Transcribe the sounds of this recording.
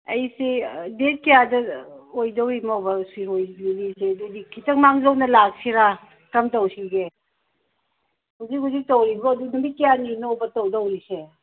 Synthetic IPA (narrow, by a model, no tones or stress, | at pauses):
ɐjsedet̚kijadɐojdawimawbɐsuiɦojlinisedudikʰitɐkmaŋlownɐlak̚siɾa | kɐmtawsiɡe | huzikhuzik̚tawɾibɔːdunumit̚kijaninowbɐtawdawɾise